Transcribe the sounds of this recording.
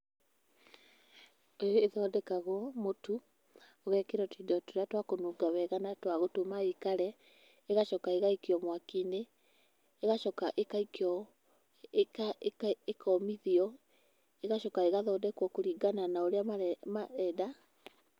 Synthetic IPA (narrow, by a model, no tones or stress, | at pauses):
ejoeðɔːdɛkaɣwɔmotu | ɔɣɛkeɾɔtidɔtoɾeatwakonuːɡawɛɣanatwaɣotomaikaɾɛ | eɣaʃɔkaeɣaikiɔmwakineː | ɣaʃɔkaʔekaikɔ | kaekʰɔmiðiɔ | eɣaʃɔkaeɣaðɔːdɛkwɔkoɾiːɡananaoɾeaamaɛda